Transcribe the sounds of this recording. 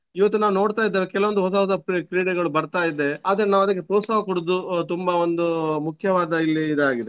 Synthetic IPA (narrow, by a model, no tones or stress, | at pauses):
iʋɐt̪ːunaːʋuno̞ːɽt̪aːjid̪ːaːʋekɛlɐʋond̪uɦɔs̬ɐɦɔs̬ɐpkɾiːɽɛɡɐɭubɐɾt̪aːjid̪ːe̞aːd̪ɐɾenaːʋuɐd̪ɐk̬ːepɾoːsɐɦɐkuɽud̪ut̪umbɐond̪umukʰjɐʋaːd̪ɐilːiid̪aːɡid̪e